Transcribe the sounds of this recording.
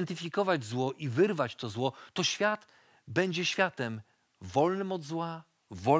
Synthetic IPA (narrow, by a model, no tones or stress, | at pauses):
nt̪ɘfʲikɔvad͡ʑzwɔʔivɘɾvat͡ɕt̪ɔzwɔt̪ɔɕfʲjat̪ | bɛɲd͡ʑɛɕfʲjat̪ɛm | vɔlnɘmɔd̪zwa | vɔ